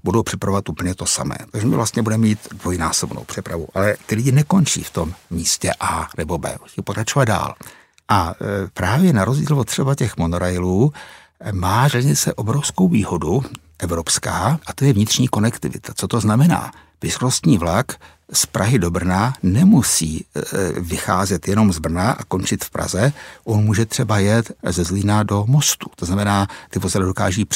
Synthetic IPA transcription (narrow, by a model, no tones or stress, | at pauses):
budowpr̥ɛpɾavovat̪ʔuːpl̩ɲɛt̪o̞sa̰mɛ̰ːt̪aɡʒɛmɪ̰vlʔast̪ɲɛbudɛmɛmiːt̪dvojnaːsobno̰wpr̝̥ɛpɾavṵʔalɛt̪ɪlɪɟɪnɛko̞nt͡ʃḭːft̪o̞mːiːscɛʔaːnɛbo̞bɛ̰ːʔusiːpokɾat͡ʃovad̪̚da̰ːl | ʔapɾaːvjɛnaɾozɟiːlvot̪r̥ɛbacɛxmonoɾajluː | maːʒɛlɲɪt͡sɛʔo̞bɾofsko̞wviːɦo̞du | ʔɛvɾo̞pskaːʔat̪o̞jɛvɲɪt̪r̥ɲiːko̞nɛkt̪ɪ̰vɪ̰t̪ʰḁt͡so̞t̪o̞znamɛna̰ː | v̥ɪzɾost̪ɲiːvlak | spɾʔaɦɪdo̞br̩nanɛmusiː | vɪxa̰ːzɛt̪jɛno̞mzbr̩naʔako̞nt͡ʃɪt̪fpɾʔa̰zɛʔonmuːʒɛt̪r̥ɛbajɛt̪zɛzlinado̞mo̞st̪u̥t̪oznamɛnaːt̪ɪvo̞zɛlɪdo̞ka̰ːʒiːp